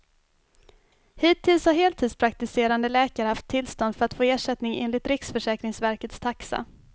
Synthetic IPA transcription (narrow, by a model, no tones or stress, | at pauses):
hiːt̪ʰːɪlshaɾɦeːlt̪ʰiːd̪spʰɾak̚t̪ɪseːɾand̪əlɛːkaɾəhaft̪ʰːɪlst̪ɔnd̪fœɾat̪foːeːʂɛt̪nɪŋḛːnlɪt̪ɾɪksfœʂɛːkɾɪŋsvæɾkət̪st̪ʰaksa̰